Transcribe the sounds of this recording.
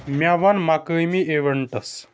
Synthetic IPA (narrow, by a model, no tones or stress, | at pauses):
mjaʋanmakəjmiːʔeʋəɳʈəs